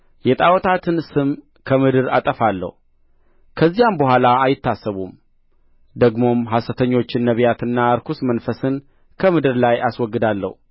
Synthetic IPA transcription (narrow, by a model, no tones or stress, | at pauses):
jɛt̪ʼawɔt̪ʰat̪ʰɨnsɨm | kʰəmɨd̪ɨɾa̰t̪ʼəfalːə̰hu | kʰəzːijambəhʷalaːjɪt̪ːasːəβum | d̪əɡmo̞mɦasət̪ʰəɲːo̞t͡ʃːɪnːəβjat̪ɨnːaəɾkʰusmənfəsɨn | kʰəmɨd̪ɨɾlajʔaswɔɡːɨd̪alːə̰hu